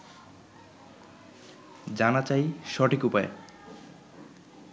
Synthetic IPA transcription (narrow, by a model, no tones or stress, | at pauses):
d͡ʑanat͡ɕajʃɔʈʰikupaḛ